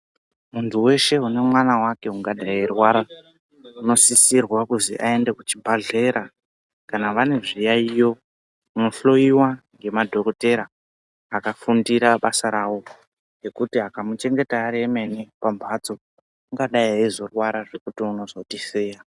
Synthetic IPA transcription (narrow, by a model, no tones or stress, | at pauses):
muntʰuwe̞ʃe̞une̞mwanawake̞uŋɡaɗajierwaɾa | uno̞sisirwakuzḭʔae̞nde̞kut͡ʃibʱaɮe̞ɾa | kanaʋane̞ʐijaijo̞ | uno̞ɬo̞iwaŋɡe̞madʱo̞ko̞te̞ɾaː | kafundiɾaɓasaɾaːwo̞ | ŋɡe̞kutiakamut͡ʃe̞ŋɡe̞taːɾe̞me̞nipambʱad͡zo̞ | uŋɡaɗaiaizo̞rwaɾaʐe̞kutiuno̞zo̞tiseːja